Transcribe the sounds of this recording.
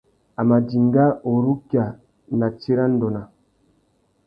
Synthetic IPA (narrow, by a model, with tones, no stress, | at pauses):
a˨ma˨di˨ŋɡa˦o˨ɾu˦kja˨ | na˨t͡ʃe˦ɾa˦n˦dɔ˨na˨